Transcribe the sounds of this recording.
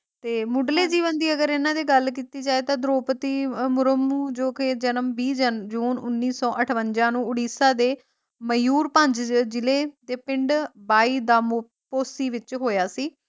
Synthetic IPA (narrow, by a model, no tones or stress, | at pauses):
t̪eːmʊɖleːd͡ʒiːʋənd̪iːəɡəɾɪnãːd̪iːɡəlk̬iːt̪iːd͡ʒaːeːt̪ãːd̪ɾoːpət̪iːmʊɾəmuːd͡ʒoːked͡ʒənəmbiːd͡ʒəd͡ʒuːnʊnːiːsɔːʔəʈʰʋənd͡ʒãːnũːʊɽiːsaːd̪eː | məjuːɾpə̃ɲd͡ʒd͡ʒɪleːd̪eːpɪ̃ɳɖbaːiːd̪aːm | poːsiːʋɪt͡ʃɦoːjaːsiː